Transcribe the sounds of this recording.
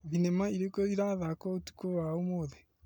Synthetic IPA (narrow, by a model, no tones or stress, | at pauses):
ðinemaiɾekoiɾaðakɔtu̥kowaomoːðe